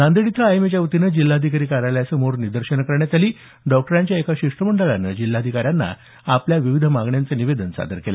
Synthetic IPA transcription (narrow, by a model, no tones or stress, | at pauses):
nãnd̪əɽit̪ʰɾəajmet͡ɕjaʋut̪inəd͡ʑilːaːd̪ʱikaɾiːkaɾajljasəmoɾnid̪əɾɕənkəɾɳjat̪aliː | ɖɔk̚ʈəɾaɲt͡ɕjaekaɕiʂʈəm̤əɳɖəɭanəd͡ʑil̤ːaːd̪ʱikaɾjanːa̰ | apljaʋiʋid̪ʱəmaɡɳjant͡səniʋed̪ənsa̰d̪ʱəɾkelḛ